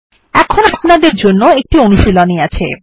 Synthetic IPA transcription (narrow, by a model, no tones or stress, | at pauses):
ɛkʰonoknad̪eɾd͡ʑonːoek̚ʈioniʃiloniat͡ɕʰḛ